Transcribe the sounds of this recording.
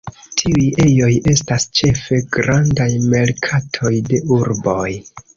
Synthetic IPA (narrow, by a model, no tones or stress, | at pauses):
tʰiuje̞jo̞je̞stast͡ʃe̞fe̞ɡɾandajme̞lkʰatʰo̞jde̞uɾbo̞j